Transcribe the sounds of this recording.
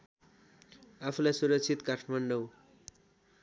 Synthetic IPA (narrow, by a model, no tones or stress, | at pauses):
apʰulajsuɾʌk̚t͡sʰit̪kaʈʰmanɖʌw